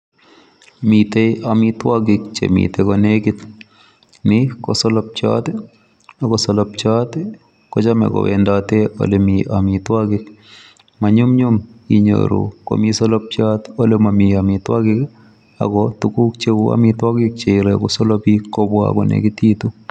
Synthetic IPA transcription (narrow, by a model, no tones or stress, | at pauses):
mit̪eamɪtwaɡɪk̚t͡ʃḛmḭt̪ekɔneɡɪt̪ | nɪkɔsɔlɔp̚t͡ʃa̰t̪ | akɔsɔlɔpt͡ʃat̪ | kɔt͡ʃamɛ̰kɔ̰wɛ̰ndat̪eo̰lemiamɪtwaɡɪk | maɲʊmɲʊmiɲo̰ɾo̰ko̰misɔlɔp̚t͡ʃat̪olemamiamɪt̪wa̰ɡɪk | a̰kɔtukuk̚t͡ʃea̰mɪt̪waɡɪk̚t͡ʃeɾekɔsɔlɔpikːɔbwa̰kɔ̰nḛɡɪt̪it̪u